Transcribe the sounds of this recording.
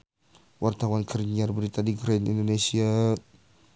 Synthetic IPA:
wart̪awankʰərɲarbəɾit̪adiɡɾanḭndonesia

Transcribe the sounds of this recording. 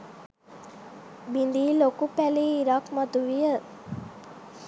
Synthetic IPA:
bind̪iːlokupæliːiɾakmɔd̪uʋijə

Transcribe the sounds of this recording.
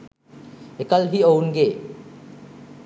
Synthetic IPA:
ekəlɦiownɡe

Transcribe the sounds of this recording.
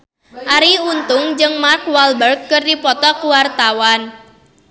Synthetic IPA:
ʔaɾiunt̪ʊŋd͡ʒɨŋmarkwalbərkːɨrdipɔt̪ɔkuwart̪awan

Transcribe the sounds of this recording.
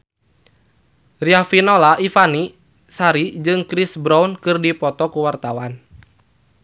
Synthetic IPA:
riafinɔlaʔifani | saɾid͡ʒɨŋkɾisbɾaunkɨrdipɔt̪ɔkuwart̪awan

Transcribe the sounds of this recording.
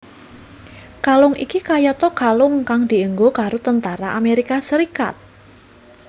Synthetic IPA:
kalʊŋʔḭkikajɔt̪ɔɡ̥a̤lʊŋkaŋd̪̥i̤əŋɡokaɾot̪ənt̪aɾaʔameɾikasəɾika̰t̪̚

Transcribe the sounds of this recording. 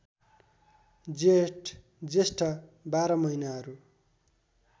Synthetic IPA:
d͡zeʈ | d͡zesʈʌbaɾʌmʌinaɦʌɾu

